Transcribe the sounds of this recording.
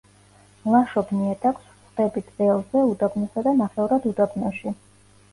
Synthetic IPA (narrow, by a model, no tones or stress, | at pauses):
lˠaʃɔbniɛt̪ʰʼakʰsχd̪ɛbit̪ɛlˠzɛud̪abnɔsad̪amaχɛuɾad̪ud̪abnɔʃi